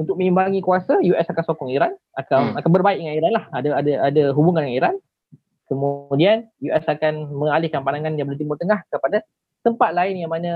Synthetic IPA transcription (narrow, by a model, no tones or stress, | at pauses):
unt̪ʊk̚mə̃ŋimbaŋikuasajuʔɛsakansokɔŋiɾan | akanakanbərbaɪʔiŋaiɾanlahadaadaʔadaɦubuŋanŋaiɾan | kəmudianjuʔɛsakanmə̃ŋalɪhkanpanaŋanjabəlt̪imʊrt̪əŋahkəpada | t̪əmpat̪̚laɪnjaŋmanã